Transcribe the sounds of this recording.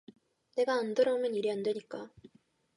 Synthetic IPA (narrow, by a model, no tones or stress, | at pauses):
ne̞ɡaːndɯɾʌumjʌniɾiandwe̞ɲik͈a